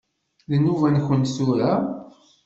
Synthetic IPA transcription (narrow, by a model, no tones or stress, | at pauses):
lənːuvænçənt̪θuɾæ